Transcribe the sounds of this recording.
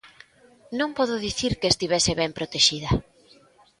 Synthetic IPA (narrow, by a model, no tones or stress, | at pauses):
nũŋpɔðʊðiθiɾkest̪iβɛsɪβɛmpɾot̪eʃiðɐ